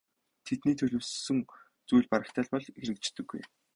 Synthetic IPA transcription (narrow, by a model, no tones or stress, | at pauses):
t̪ʰet̪niːt̪ʰɵɮɵːssɵ̆ŋ | t͡sujɮʲpaɾə̆kt̪ʰaːɮpɔɮeɾɘ̆kt͡ɕt̪ɵ̆ɡːṵj